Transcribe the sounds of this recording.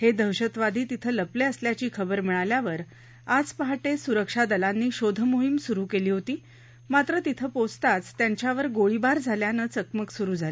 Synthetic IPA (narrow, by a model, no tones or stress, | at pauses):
hed̪ʱəwɕət̪ʋad̪ʱiːt̪it̪ʰəːləpleəsljat͡ɕiːkʰəbəɾm̤iɭaljaʋəɾ | ad͡zpəɦaʈesuɾəkʂad̪əlanːiːɕod̪ʱəmoɦimsuɾuːkeliːɦot̪iː | mat̪ɾət̪it̪ʰəpot͡st̪at͡st̪jaɲt͡ɕjaʋəɾɡoɭibaɾd͡zʱaljanət͡səkməksuɾuːd͡zʱale